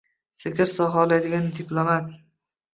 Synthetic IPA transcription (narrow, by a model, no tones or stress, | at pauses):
sɪkʲɪɾsɒɦaɒlˠad̪ɪɡʲand̪ɪplˠomat̪̚